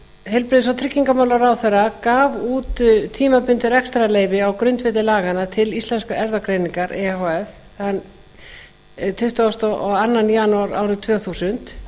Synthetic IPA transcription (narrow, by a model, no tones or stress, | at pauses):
hɛlpɾɪðsawt̪ʰɾɪcːiŋkamaːwlaɾawθɛrakaːvuːt̪ʏt̪ʰiːmapʏnt̪ɪɾɛkst̪ɾaleːjvɪawkɾʏnt̪vɪːt̪̬ɪlaːɣanat̪ʰɪlist̪lɛnskaʔɛɾðakɾeːjniŋkaɾɛhoɛf | han | t̪ʰʏht̪aɔst̪ɔɔɣanːanːjaːnuaɾa̰ːwɾʏt̪ʰvœːθuːsʏnt̪